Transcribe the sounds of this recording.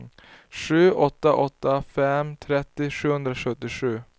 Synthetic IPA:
ʂʉ̟ːʔɔt̪ːaʔɔt̪ːafɛmt̪ʰɾɛt̪ːɪʂʉ̟ːhɵnd̪ɾaʂɵt̪ːɪɧʉ̟ː

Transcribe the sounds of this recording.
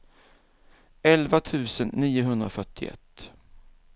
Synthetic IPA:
ɛlvat̪ʰʉ̟ːsənːiːʊɦɵnd̪ɾafœʈːɪɛ̰t̪ː

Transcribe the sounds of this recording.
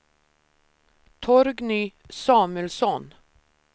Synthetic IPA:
t̪ʰɔɾɡnyː | sɑːməlsɔn

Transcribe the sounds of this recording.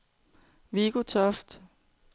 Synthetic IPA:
ʋiɡ̥ot͡sʰɒfd̥

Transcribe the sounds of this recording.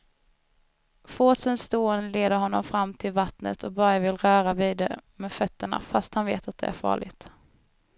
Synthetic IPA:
foːsənsst̪oːənəleːd̪əɾɦɔnːɔ̰mfɾamːt̪ʰɪlvat̪nə̰t̪ʰɔk̚bɑːɾavɪlɾœːɾaviːd̪ɛ̰mɛːfœt̪ːəɳa̰fast̪hanveːt̪at̪̚d̪ɛ̰ʔæ̰ɾfɑ̰ːɭɪ̰t̪

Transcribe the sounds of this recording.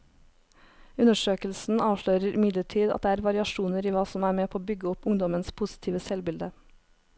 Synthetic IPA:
ʉnəʃøːkəlsn̩ɑːʋʃɭøːɾəɾʔɪmɪd̪ləʈʰiːd̪ɑ̰d̪eːæːɾʋɑɾɪɑʃuːnəɾiːʋɑːsɔmæːɾmeːpʰoːbʏɡəɔpʊŋd̪ɔmənspʰʊsɪ̥t̪ʰiːʋəsɛlbɪld̪ə

